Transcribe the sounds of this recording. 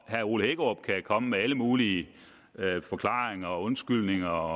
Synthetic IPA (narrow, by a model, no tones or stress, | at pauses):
hæɐo̝̰ːləheɡ̥ɒb̥̚kʰækʰɒ̽məmeæləmuːliə | fɒ̽kʰlɑ̈ːʁeŋɐːɔ̽nsɡ̥yl̰ne̝ŋɐ